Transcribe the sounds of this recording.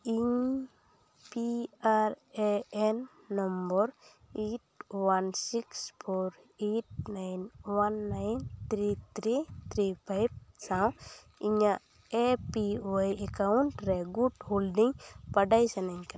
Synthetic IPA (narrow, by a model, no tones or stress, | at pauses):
i | piaɾ | eɛnː | ɔmbɔɾ | eʈ̚wansikspʰoɾ | eʈ̚najnwanːajnt̪ʰɾit̪ʰɾit̪ʰɾipʰajb̚sãw̃ | iɲa | epiajekaɳʈɾɛɡuɖholɖiŋpaɖajsɛnaŋk